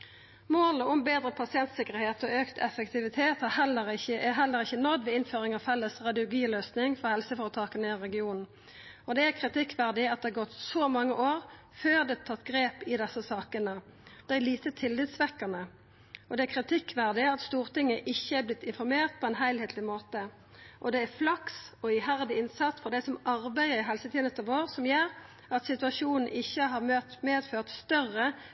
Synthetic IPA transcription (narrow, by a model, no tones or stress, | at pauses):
moːləʊmbeːd̪ɾəpʰɑsɪɛnt̪sɪkːəʁheːt̪ɔøːkt̪ʰɛfəkt̪ʰɪʋɪt̪ʰeːt̪hɑhɛlːəʁɪəʔɛɦɛlːəʁɪçənɔd̪ʋɛɪnføːʁɪŋɑʋfɛlːəsʁɑd̪ɪʊlɡiːløːsnɪŋfɔʁhɛlsəfoːʁət̪ʰɑːkənəɪʁɛɡɪuːnn̩ | ɔd̪ɛækʰʁɪt̪ɪkːʋæʁd̪ɪɑt̪̚ɛæːɡɔt̪sɔmɑŋːəʔoːʁ | føːʁd̪ɛt̪ʰɑt̪ːɡʁeːpɪd̪ɛsːəsɑːkənəd̪̥ɛæliːt̪ət̪ʰɪlːiːt̪sʋɛkːəʁnə | ɔd̪ɛækʰʁɪt̪ʰɪkːʋæʁd̪ɪɑt̪st̪uːʁt̪ɪŋːəʔɪçːəæɾblɪt̪ːɪnfɔɾmeːʁt̪̚pʰɔɛːnɦæɪlheːt̪lɪmoːt̪ə | ʔɔd̪ɛæɾflɑksɔɪɦæʁd̪ɪɪnsɑt̪sfɔɾd̪æɪsɔmɑʁbæɪəɾɪɦɛlsət̪id̪nɛst̪ɑʋoːʁsɔmjøːɾ | ɑt̪sɪt̪ʉɑʃuːnn̩ʔɪçːəɦɑːʁmøːt̪meːd̪føːʁt̪st̪œʁːə